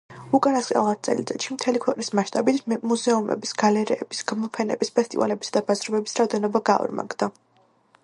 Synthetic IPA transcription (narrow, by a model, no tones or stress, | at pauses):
ukʼanasχʼɛ̰lˠat̪̚t̪sʼɛ̰lit̪sʼɛʃimt̪ʰɛlikʰwɛqʼnismaʃt̪ʼabit̪ʰmuzɛumɛ̰bisɡ̥alɛɾɛːb̥isɡamɔpʰɛnɛ̰bispʰɛst̪ʼḭva̰lɛbisad̪abazɾɔbɛbisɾaɔd̪ɛnɔbaɡaɔ̰ɾma̰ɡd̪a